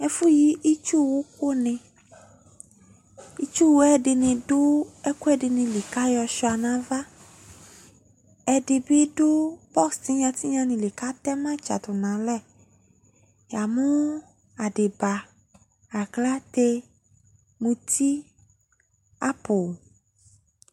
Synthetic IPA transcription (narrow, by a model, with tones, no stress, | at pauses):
ɛ˦fu˦ji˦ʔi˦t͡ʃu˦wo˦ko˦nɪ̃˨ | i˦t͡ʃu˦wo˦ɛ˦ɖɪ˨nɪ̃˨ɖʊ˦ɛ˦ku˦ɛ˦ɖɪ˨nɪ̃˨li˨ka˦jɔ˨ʃɔ˨˦a˨nã˨va˦ | ɛ˨ɖɪ˨be˦ɖʊ˦bɔ˦ksti˦ɲã˨t̪i˦ɲã˦nĩ˨li˨ka˦t̪ɛ˦mã˦t͡ʃa̰˨t̪ʊ˨nã˨lɛ˦ | ja˨mũ˦ | a˨ɖɪ˨ba˨ | a˨kla˦t̪e˦ | mũ˨t̪ʰi˦ | a˦po˨